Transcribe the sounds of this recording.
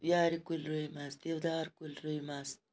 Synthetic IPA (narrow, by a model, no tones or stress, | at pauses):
jaːɾikulɾujmasd̪iwd̪aːɾkulɾujmas